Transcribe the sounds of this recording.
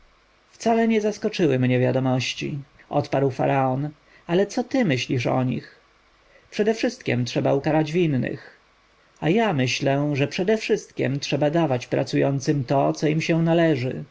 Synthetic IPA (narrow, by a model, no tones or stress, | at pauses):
ft̪salɛɲɛzaskɔt͡ʂɘwɘmɲɛvʲjad̪ɔmɔɕt͡ɕḭʔɔ̰t̪paɾwfa̰ɾaɔn | alɛt̪sɔt̪ɘmɘɕlʲiʂɔ̰ɲḭx | pʂɛd̪ɛfʂɘst̪̚kʲɛmtʂɛbaukaɾad͡ʑvinːɘ̰x | ajamɘɕlɛʐɛpʂɛd̪ɛfʂɘst̪̚kʲɛ̰mtʂɛbad̪avat͡ɕpɾa̰t̪sujɔnt̪sɘmt̪ɔt̪sɔimɕɛwnalɛʐɘ̰